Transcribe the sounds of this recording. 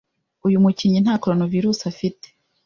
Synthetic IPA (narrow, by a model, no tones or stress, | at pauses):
ujumuciɲin̥haːko̞ɾonoviɾuːsafite̥